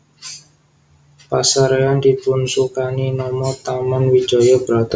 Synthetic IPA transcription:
pasaɾeand̪ipʊnsukaninɔmɔt̪amanwi̥d͡ʒɔjɔb̥əɾat̪a

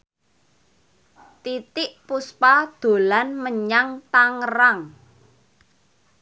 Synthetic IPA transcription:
t̪it̪ɪʔpuspad̪̥o̤lanməɲaŋt̪aŋɾaŋ

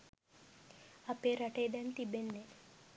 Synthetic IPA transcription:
ɐpeːɾɐʈejd̪ɛnt̪ibenːe

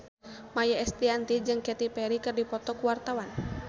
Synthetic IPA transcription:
majaɛst̪iant̪id͡ʒɨŋkɛt̪ipɛɾikɨrdipɔt̪ɔkuwart̪awan

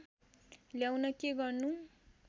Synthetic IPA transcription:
ljawnʌkeɡʌrnu

